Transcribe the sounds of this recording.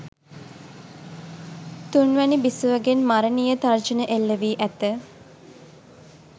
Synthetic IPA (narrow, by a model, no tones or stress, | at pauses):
t̪unʋænibisuʋəɡenmaɾənijət̪ard͡ʒənəʔelːəʋiːʔæt̪ə